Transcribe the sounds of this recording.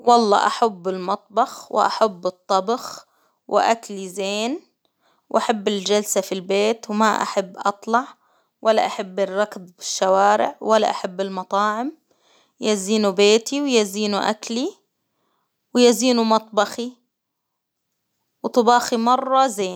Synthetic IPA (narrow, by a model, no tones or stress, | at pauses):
wɑlˤːɑ̰ːʔaħabːɪlmɑt̪ˤbɑxwʔa̰ħabːɨt̪ˤːɑbɑx | wɪʔaklizeːn | wʔaħabːɪld͡ʒalsafilbeːt̪wmaʔa̰ħabːʔɑt̪ˤlɑʕ | wʔalːaʔaħabːɪrːɑkdbɪʃːawaːɾɪ̰ʕwalːa̰ʔaħabːɪlmɑt̪ˤɑːʕɪm | jaziːnubeːt̪iwjaziːnuʔa̰kli | wjaziːnumɑt̪ˤbɑxi | wt̪ˤʊbɑːximɑrˤːɑzeːn